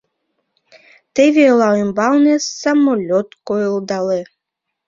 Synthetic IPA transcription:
t̪evʲelˠɑembɑlnesːamolʲot̪kojəlˠd̪ɑle

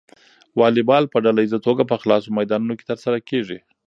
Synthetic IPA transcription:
wɑlɪbɑlpəɖalaizat̪oɡapəxlɑsomajd̪ɑnunoke̥t̪əɾsaɾakeʐi

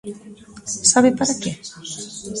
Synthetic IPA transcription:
saβepaɾake

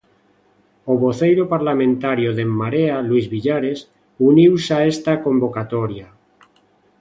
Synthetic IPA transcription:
oβoθejɾopaɾlamẽnt̪aɾjoðemːaɾealwizβiʎaɾes | uniwsaest̪akombokat̪oɾja

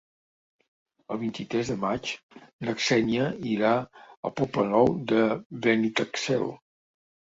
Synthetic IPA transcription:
əlˠβint̪it̪ɾɛzðəmat͡ʃ | nəksɛniəiɾaə̰lˠpɔplənɔwd̪əβɛnit̪əksɛ̰lˠ

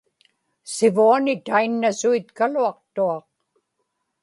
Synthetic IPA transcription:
sɪvuanɪt̪ainːasuit̪kaluɑq̚t̪uɑq̚

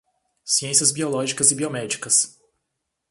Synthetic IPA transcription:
siẽsiɐzbiolɔʒikɐzɪbiomɛd͡ʒikɐs

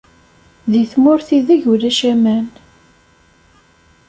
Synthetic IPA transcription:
ðiθmʊɾθiðæʝuɾæʃæmæn

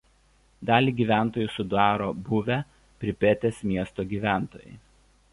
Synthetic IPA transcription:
d̪ɑːlʲiːɡʲiːʋʲæˑnt̪oːjusʊd̪ɑːɾoːbʊʋʲɛ | pʲɾʲɪpʲɛt̪ʲesmʲiɛst̪oːɡʲiːʋʲæˑnt̪o̰ːjɛ̰ɪ

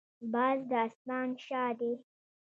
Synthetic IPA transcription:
bɑːzd̪əːsmɑːnʃɑːd̪e

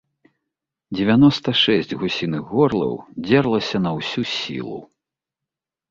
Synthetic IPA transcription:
d͡zʲɛvʲanɔst̪ɐʂɛsʲd͡zʲɣusʲinɨɣɣɔrlˠɐ̰wd͡zʲɛrlˠɐsʲɐnɐwsʲusʲḭlˠṵ

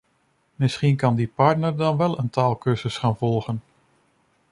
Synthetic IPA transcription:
mɪsχinkɑndipɑɹtnəɹdɑnʋɛlˠəntaːlˠkɵzəsχaːnvɔlˠχən

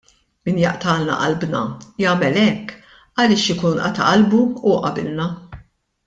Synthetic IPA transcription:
mɪnjɐʔt̪ɐːlnɐ̰ʔɐlbnɐjɐːmɛlɛkː | ɐlɪːʃɪkuːnʔɐ̰t̪ɐʔɐlbuuʔɐbɪlnɐ

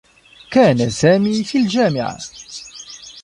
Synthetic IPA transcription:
kaːnasaːmiːfiːld͡ʒaːmɪʕa̰

